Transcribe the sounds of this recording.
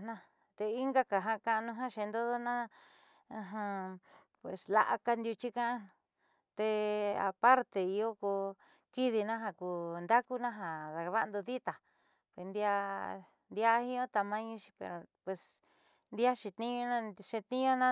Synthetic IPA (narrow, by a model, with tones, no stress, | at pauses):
nã˧ | t̪e˧i˦ŋɡa˦ka˨ɦã˧kã˧ʔnũ˧ɦã˦ʃẽ˧nd̪o˦ðo˦nã˦˧ | ɦã˧ | pwe˨sla̰˧ʔa̰˧ka˧nd̪ju˧t͡ʃi˦kã˦ã˦ñ˧ | t̪e˧a̰˨pa˦ɾt̪e˧i˧o˦ku˧ | ki˦ði˧nã˦ɦa˧ku˧˨nd̪a˦ku˦nã˦ɦa˨ða˨ka˧βa˦ʔnd̪u˧ði˦t̪a˨ | pwe˨nd̪i˧a˧ | nd̪i˧a˦hĩ˦õ˦t̪a˧mã˦ɲũ˦t͡ʃi̥˧pḛ˧ɾo˨pwe˨s | nd̪i˦a˦ʃi˧t̪ĩ˦õ˧nã˦ʃẽ˧t̪ĩ˦õ˦nã˦